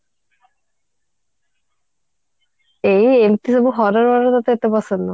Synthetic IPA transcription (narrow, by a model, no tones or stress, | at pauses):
ejemt̪isabuɦɔɾaɾbaɾot̪at̪eet̪epasenːa